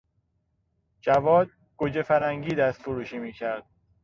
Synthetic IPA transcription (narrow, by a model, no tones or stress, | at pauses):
d͡ʒævɒːd̪̚ | ɡ̥od͡ʒefæɾæŋɟiːd̪æst̪foɾuːʃiːmiːcʰæɾd̪̥̚